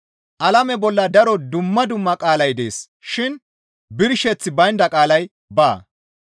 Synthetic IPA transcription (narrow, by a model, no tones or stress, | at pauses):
ʔɐlɐmɛbɔlːɐd̪ɐɾɔd̪ʊmːɐd̪ʊmːɐkʼaːlɐjd̪e̞̰ːs | ʃɪn | bɪɾʃɛt͡sːɪbɐjnd̪ɐkʼaːlɐj | baː